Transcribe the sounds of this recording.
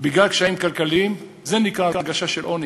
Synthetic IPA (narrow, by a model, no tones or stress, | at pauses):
biɡlalkʃaimkalkalim | zenikʁaaɡaʃaʃelʔoni